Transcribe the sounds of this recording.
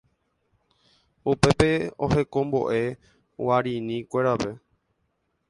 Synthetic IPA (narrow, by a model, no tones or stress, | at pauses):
upe̞pe̞o̰he̞kõ̞mbo̞̰ʔe̞ | waɾĩnĩkʷe̞ɾape̞